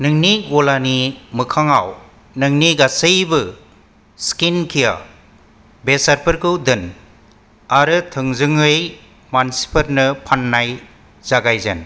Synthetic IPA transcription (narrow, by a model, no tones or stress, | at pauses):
nɯŋniɡolanimɯkʰaŋaw | nɯŋniɡasɯjbɯ | skinkʰija̰ | besaɾpʰɐɾkʰɯwdɯn | aɾɯtʰɯŋzɯŋɯj | mansi̥pʰɐɾnɯpʰanːaj | zaɡajzḛn